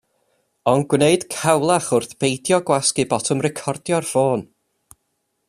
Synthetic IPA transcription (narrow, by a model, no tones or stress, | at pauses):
ɔnɡwneɨd̥kʰawlˠaχʊrθb̥ejdjɔɡwaskibɔtʰɔmrɛkʰɔrdjɔrfoːn